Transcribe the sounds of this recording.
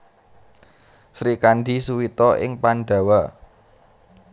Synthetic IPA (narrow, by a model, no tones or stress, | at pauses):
sɾikaɳɖisuwit̪ɔʔɪ̰ŋpanɖa̤wa